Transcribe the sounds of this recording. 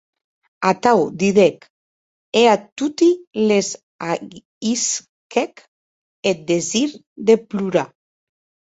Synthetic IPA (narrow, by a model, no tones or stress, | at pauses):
at̪awd̪iðek | eat̪ut̪ilez | a | is | kek | et̪̚d̪eziɾ | d̪epluɾa